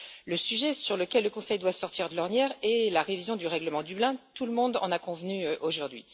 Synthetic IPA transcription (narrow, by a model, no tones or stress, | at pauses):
ləsyʒɛsyʁləkʲɛlːəkɔ̃sɛjd̪wasɔʁt̪iʁd̪əlɔʁnjɛːʁelaʁevizjɔ̃d̪yʁɛɡləmɑ̃d̪yblɛ̃t̪uləmɔ̃d̪ɑ̰̃nakɔ̃vnyʔoʒuʁd̪ɥḭ